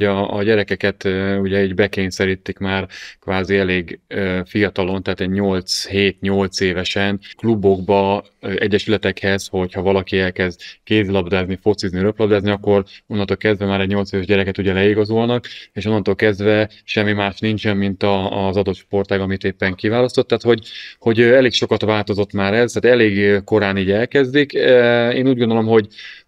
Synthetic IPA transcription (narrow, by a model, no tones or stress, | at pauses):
ɒːɟɛɾɛkɛkɛt̪uɟɛiːɟbɛkeːɲsɛɾiːt̪ːikmaːrkʋaːziɛleːɡøfijɒt̪ɒlo̞nt̪ɛɦaːt̪ɛɟɲo̞lt̪sheːt̪ɲo̞lt̪seːvɛʃɛnklubo̞ɡbɒ | ʔɛɟːɛʃylɛt̪ɛkhɛzho̞chɒvɒlɒkiɛlkɛzd̪keːzlɒbd̪aːznifo̞t̪sizniɾøplɒbd̪aːzniɒkːo̞ronːɒnoːlkɛzd̪vɛmaːɾɛɟɲo̞lt̪seːvɛʒɟɛɾɛkɛt̪uɟɛlɛiɡɒzolnɒkeːʃo̞nːɒnt̪olkɛzd̪vɛ | ʃɛmːimaːʃnint͡ʃɛmːint̪ɒzɒd̪o̞t̪ʃpo̞rt̪aːɡɒmit̪eːpːɛŋkivaːlɒst̪ot̪ːaːt̪ho̞ɟho̞ɟɛleːkʃo̞kɒt̪ʋaːlt̪o̞zo̞t̪maːɾɛzt̪aːt̪ɛleːɡko̞ɾaːniːɟɛlkɛzd̪ikeːnuːɟɡond̪olo̞mɦo̞ɟ